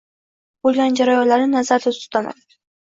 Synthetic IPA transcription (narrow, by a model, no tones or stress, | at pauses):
bolˠɡʲand͡ʒaɾajɒnlaɾɪnazaɾd̪at̪ʰʊ̥st̪ana̰d̪